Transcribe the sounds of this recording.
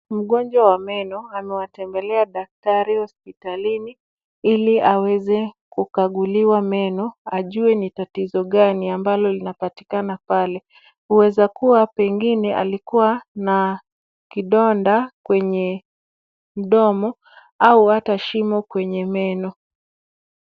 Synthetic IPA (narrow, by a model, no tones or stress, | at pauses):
m̩ɠɔnd͡ʒwawamɛnɔamɛwatɛmbɛlɛaɗak̚taɾihɔspitalini | iliawɛzɛkukaɠuliwamɛnɔaʄuɛnitatizɔɠaniambalɔlinapati̥kanapalɛ | huwɛzakuwapɛŋɡinɛʔa̰likuwana | kiɗɔndakwɛɲɛ | m̩ɗɔmɔ | auataʃimɔkwɛɲɛmɛnɔ